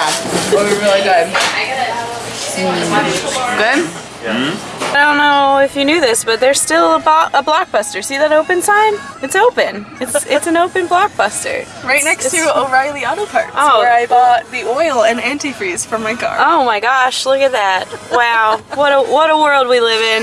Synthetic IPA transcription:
wʌtwiɹɪlˠidʌ̃d | ɡ̥ʊd | aɪdõʊ̃nːoʊʊɪfjɨnjʉðɪsb̥ʌt̪̚ðə˞z̥stɪlˠəbɑʔəblɑk̚b̥ʌstə˞siðɨɾoʊpɨ̃ntʰãɪ̃mɨtsoʊpɨ̃nɨtsɪtsɨ̃n̩oʊpɨ̃nblɑk̚b̥ʌstə̰˞ | ɹaɪtⁿnɛkstʰɨəɹaɪlˠiɑɾoʊpʰɑɹtʔoʊwə˞aɪbɔt̪̚ðiɔɪlˠɨ̃næ̃ntifɹiz̥fʌ̃maɪkɑ̰ɹoʊmaɪɡɑʃlʊkɨt̪̚ðæt̚waʊwʌɾəwʌɾəwɜ˞lˠd̚wilɪvɪ̃n

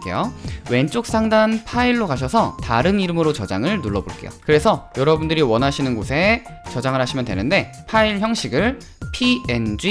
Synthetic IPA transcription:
k͈ḛjowe̞nt͡ɕ͈ok̚s͈aŋdanpʰaiɭːokaɕ̬ʰʌsʰʌtaɾɯniɾɯmɯɾot͡ɕʌd͡ʑaŋɯɭnuɭːʌboɭk͈e̞̰jo̰kɯɾe̞sʰʌjʌɾʌbundɯɾiwʌnɦaɕʰinɯnɡosʰe̞t͡ɕʌd͡ʑaŋɯɭhaɕʰimjʌndwe̞nɯnde̞ | pʰaiɭçjʌŋɕʰiɡɯɭ | pʰiend͡ʑi

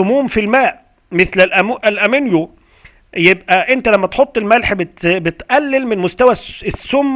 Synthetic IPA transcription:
ʊmuːmfilmæːʔ | mɪθlælʔæmʔælʔæmɪnjo | jebʔæʔent̪ælæmːæt̪ħot̪ˤːelmælħbɪt̪bɪt̪ʔælːelmɪnmʊst̪æwæsːʊmː

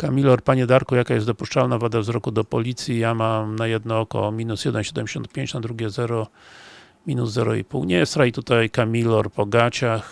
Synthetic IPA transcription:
kamʲilɔɾpaɲɛd̪aɾkujakajɛst̪d̪ɔpuʂt͡ʂalnavad̪avzɾɔkud̪ɔpɔlʲit̪sʲjijamamnajɛd̪nɔɔkɔ̰mʲinusɕɛd̪ɛmɕɛd̪ɛmʲd͡ʑeɕɔ̰̃nt̪pʲjeɲt͡ɕnad̪ɾuɡʲɛzɛɾɔ | mʲinuzːɛɾɔḭpṵwɲɛjst̪ɾajt̪ut̪ajkamʲilɔɾpɔɡat͡ɕax

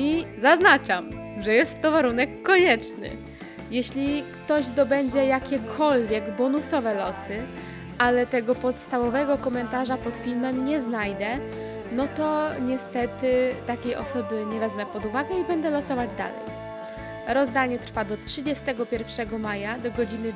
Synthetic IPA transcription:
izaznat͡ʂam | ʐɛjɛst̪ːɔvaɾunɛkːɔɲɛt͡ʂnɘ̰ | jɛɕlʲikt̪ɔʑd̪ɔbɛɲd͡ʑɛjakʲɛkʰɔlvʲjɛɡbɔnusɔvɛlɔsɘ | ʔalɛt̪ɛɡɔpɔt̪st̪avɔvɛɡɔkɔmɛnt̪aʐapɔt̪fʲilmɛmɲɛznajd̪ɛ | nɔt̪ɔɲɛst̪ɛt̪ɘt̪akʲejʔɔ̰sɔbɘɲɛvɛzmɛpɔd̪uvaɡɛibɛnd̪ɛlɔsɔvad͡ʑd̪a̰lɛ̰j | ɾɔzd̪aɲɛt̪ɾfad̪ɔtʂɘd͡ʑɛst̪ɛɡɔpʲjɛɾfʂɛɡɔmajad̪ɔɡɔd͡ʑinɘ

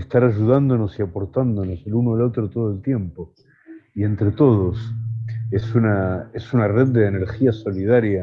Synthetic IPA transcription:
est̪aɾaʒuð̞and̪o̞no̞siapo̞ɾt̪and̪o̞no̞selunoalo̞t̪ɾot̪oð̞e̞lt̪je̞mpo̞ | ie̞nt̪ɾet̪o̞ð̞os | esunaesunare̞ð̚d̪eːneɾxiaso̞lið̞aɾja

